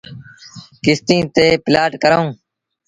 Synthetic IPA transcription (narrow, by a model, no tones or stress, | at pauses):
kɪst̪ĩːt̪eːplaːʈkəɾõː